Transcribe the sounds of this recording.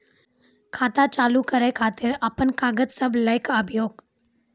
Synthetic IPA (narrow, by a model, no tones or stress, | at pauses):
kʰaːt̪at͡ʃaːlukəɾəjkʰaːt̪ɪɾaːpənkaːɡət̪səbləjkabjoːɡ